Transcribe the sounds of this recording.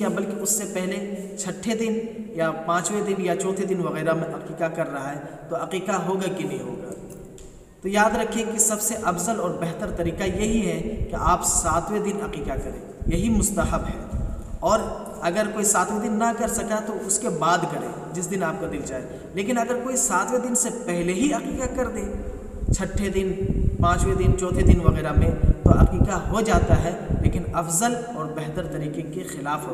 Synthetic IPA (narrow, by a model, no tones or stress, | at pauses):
ɦɛ̃bɐlkeʊsːepɛɦlet͡ʃʰɐʈʰːed̪ɪnjapãːt͡ʃwed̪ɪnjat͡ʃɔ̃ːt̪ʰed̪ɪnʋɐɣɛːɾamẽɦɐqiːqakɐɾːɐɦaɦɛt̪oɦɐqiːqaɦoːɡakelieɦo̰ːɡa̰ː | t̪ojaːd̪ɾɐkʰːẽkisɐbseʔɐfzəlɔːɾbɛɦt̪əɾt̪ɐɾiːqajɐɦiɦɛkeʔaːpsaːt̪ʰʋed̪ɪnɦɐqiːqakɐɾḛ̃ːjɐɦimʊst̪ɐɦəbɦɛ̰ːɔːɾ | ɐɡəɾkoːisaːt̪wed̪ɪnːɐkɐɾsɐkat̪oʊskebaːd̪kɐɾḛ̃ː | d͡ʒɪsd̪ɪnaːp̚kad̪ɪld͡ʒaːe | leːkɪnɐɡəɾkoːisaːt̪ʰwed̪ɪnsepɛɦleɦiɦɐqiːqakɐɾd̪ẽː | t͡ʃʰɐʈʰːed̪ɪnpãːt͡ʃwed̪ɪnt͡ʃɔːt̪ʰed̪ɪnʋɐɣɛːɾamẽt̪oɦɐ̰qiːqaɦod͡ʒaːt̪aɦɛleːkɪnɐfzəlɔːɾbɛɦt̪əɾt̪ɐɾiːqekexɪlaːfɦoː